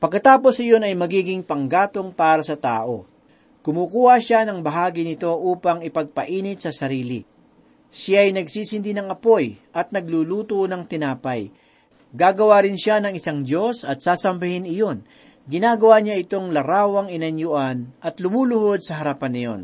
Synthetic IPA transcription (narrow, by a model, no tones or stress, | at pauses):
pɐɡ̚kːɐt̪aːpo̞sɪjo̞nɐjmɐɡiːɡɪŋpɐŋɡaːt̪o̞ŋpaːɾɐsɐt̪a̰ːʔo̞ | kʊmuːkuːhɐʃanɐŋbɐɦaːɡɪnɪt̪o̞ʔuːpɐŋɪpɐɡ̚pɐʔiːnɪt̪̚sɐsɐɾiːlɪ | ʃjaːjnɐɡsiːsɪnd̪inɐŋɐpo̞jʔɐt̪̚nɐɡ̚luluːt̪unɐŋt̪ɪnaːpɐj | ɡaːɡɐwaːɾɪnʃanɐŋɪsaŋdo̞sɐt̪̚saːsɐmbɐhɪnɪjo̞n | ɡɪnaːɡɐwaɲaʔɪt̪o̞ŋlɐɾaːwɐŋɪnɐnjʊʔanʔɐt̪lʊmuːlʊɦo̞d̪̚sɐɦɐɾapɐnːɪjo̞̰n